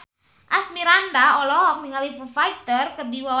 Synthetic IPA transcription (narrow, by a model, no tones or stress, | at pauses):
ʔasmiɾandaɔlɔɦɔk̚niŋalifufajt̪ərkərdiwa